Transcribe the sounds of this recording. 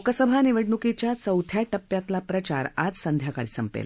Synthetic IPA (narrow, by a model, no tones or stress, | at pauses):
okəsəbʱaniʋəɽnukit͡ɕjasəwd̪ʱʰjaʈəpːjat̪lapɾət͡ɕa̰ɾa̰d͡zsənd̪ʱjakaɭisəmpḛl